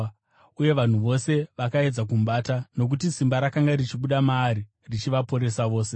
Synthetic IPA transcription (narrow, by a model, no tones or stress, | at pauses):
uje̞ʋan̤uʋo̞se̞ʋakae̞d͡zak̬um̩ɓaːtano̞k̬utisimbaɾakaŋɡarit͡ʃiɓuɗamaːɾi | rit͡ʃiʋapo̞ɾe̞saʋo̞ːse̞